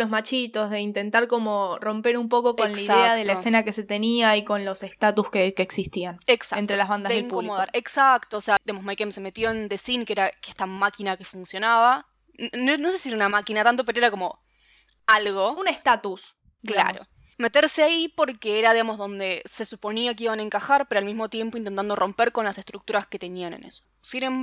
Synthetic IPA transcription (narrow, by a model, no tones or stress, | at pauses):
lo̞zmat͡ʃit̪o̞zðe̞int̪e̞nt̪aɾko̞mo̞ro̞mpe̞ɾumpo̞ko̞konlaiðeaðelaese̞nake̞se̞t̪e̞niaiko̞nlo̞sest̪at̪uskekeːksist̪ianeksaent̪ɾelazβand̪azeðeŋpukomoðaɾeksakt̪oːsead̪iɣamosmajkemseme̞t̪jo̞end̪esiŋkeɾakeht̪amakinake̞funsjo̞naβa | nonos̬esiseunamakinat̪ant̪o̞peɾoeɾako̞mo̞ | alɣounest̪at̪us | kla̰ɾo̰ | me̞t̪eɾseaipo̞ɾkeeɾaðiɣamo̞zðo̞nd̪e̞se̞supo̞niak̬eiβanaeŋkaxaɾpeɾoalmizmo̞t̪je̞mpoint̪ent̪and̪o̞rʔo̞mpe̞ɾko̞nlase̞st̪ɾukt̪uɾaske̞t̪e̞nianḛnḛso̥sinem